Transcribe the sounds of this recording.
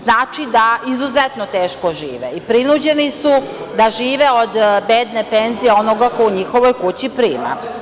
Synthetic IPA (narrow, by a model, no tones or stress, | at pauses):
znaːt͡ʃid̪aizuzet̪not̪eːʃkoʒiːʋeipɾinud͡ʑe̞nisud̪aʒiːʋe̞o̞d̪beːd̪nepe̞nzijeo̞no̞ɡako̞uɲixo̞ʋo̞jkut͡ɕipɾiːma̰